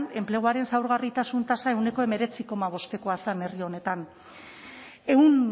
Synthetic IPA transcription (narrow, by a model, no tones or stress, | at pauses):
ne̞mple̞ɣ̞uaɾe̞nsawɾɣarit̪asunt̪asae̞wne̞ko̞e̞me̞ɾe̞t͡siko̞maβ̞o̞st̪e̞ko̞asane̞rio̞ne̞t̪an | e̞wn